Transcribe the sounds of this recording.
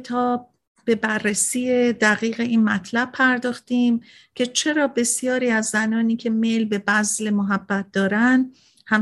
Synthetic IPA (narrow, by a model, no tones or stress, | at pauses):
t̪ʰɒːb | b̥e̞bærːesiːje̞d̪æɣiːɣe̞ʔiːnmæt̪ʰlæb̥̚pʰæɾd̪ɒːxt̪iːm | cʲʰe̞t͡ʃʰe̞ɾɒːbe̞sijɒːɾiːæzːænɒːniːcʲʰe̞me̞lbe̞bæzle̞moɦæb̥ːæt̪̚d̪ɒːɾænd̪ | hæm